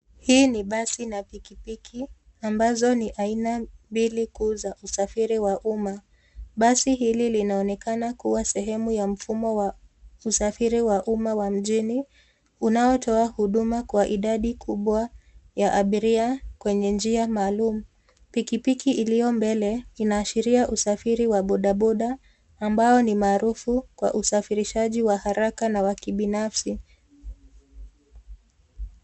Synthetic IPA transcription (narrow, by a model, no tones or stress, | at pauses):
hiːniɓasinapikipikʰi | ambazɔniʔainambilikuzaʔusafiɾiwaʔuma | ɓasiɦililinaɔnɛkanakuwasɛɦɛmujam̩fumɔwausafiɾiwaʔumawam̩ʄini | unaɔtʰɔahuɗumakwaʔiɗaɗikʰuɓwajaʔaɓiɾiakwɛɲɛnd͡ʒiamaːlumu | pikipikiʔilijɔmbɛlɛinaːʃiɾiaʔusafiɾiwaɓɔɗaɓɔɗaː | mbaɔnimaːɾufukwa̰ʔusafiɾiʃaʄiwahaɾakanawakiɓinafsi